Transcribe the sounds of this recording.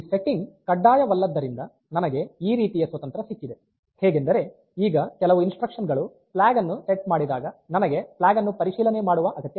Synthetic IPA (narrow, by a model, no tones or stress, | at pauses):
se̞ʈːiŋɡkɐɖːaːjɐʋɐlːɐd̪ːɐɾind̪ɐ | nɐnɐɡe̞iːɾiːt̪ijɐsʋɐt̪ɐnt̪ɾɐsikːid̪e̞ | hɛːɡe̞nd̪ɐɾe̞ | iːɡɐkɛlɐʋuinsʈɾɐkʂɐnɡɐɭu | plaːɡɐnːuseʈ̚maːɽid̪aːɡɐnɐnɐɡe̞plaːɡɐnːupɐɾiʃiːlɐne̞maːɽuʋɐʔɐɡɐt̪ːjɐ